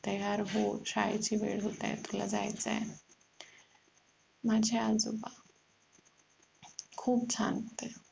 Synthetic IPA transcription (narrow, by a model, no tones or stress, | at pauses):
t̪əjaɾɦoɕajt͡ɕibḛɽɦot̪a̰t̪ula̰d͡za̰jt͡sa̰ | mad͡ʑʱead͡zoba | kʰuːp̚t͡sʰant̪e